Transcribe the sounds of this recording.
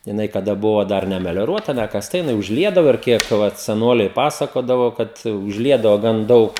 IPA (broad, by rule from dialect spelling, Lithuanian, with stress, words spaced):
jɪˈnɐɪ kɐˈdɐ ˈbʊʋoː ˈdɐr nʲɛmʲɛlʲoːˈruɔtɐ nʲɛkɐsˈtɐ jɪˈnɐɪ ʊʒʲˈlʲiɛdɐʋoː ɪr ˈkʲiɛk ˈʋɐt sʲɛˈnoːlʲɛɪ ˈpɑːsɐkoːdɐʋoː ˈkɐt ʊʒʲˈlʲiɛdɐʋoː ˈɡɐn ˈdɐʊk